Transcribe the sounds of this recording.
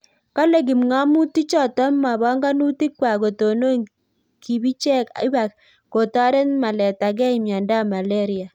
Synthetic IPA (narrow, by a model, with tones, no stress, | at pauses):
ka˦le˨ɡ̬i˨mŋa˦mu˦ti˦t͡ʃɔ˦tɔ˦mːa˨bɔ˦ŋɡa˦nu˦ti˦kwa˨ko˨to˨no˦ŋ | ki˨bi˦t͡ʃɛ˦ka̰˦ba˨k | ko˨tɔ˦ɾe˦nma˨lɛ˨ta˨ɡ̬ɛ˦i˨mja˨nda˦ma˨lɛ˦ɾia˨